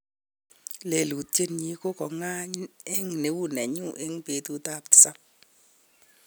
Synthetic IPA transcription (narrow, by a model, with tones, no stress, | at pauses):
le˨lu˨te˦nɲi˦ko˦kɔ˨ŋa˦ɲ˦e˦ŋ˨ne˨˦wu˦˨nɛ˨ɲu˦ʔe˦ŋ˦pe˨˦tu˦ta˦˨pti̥˨sa˦p̚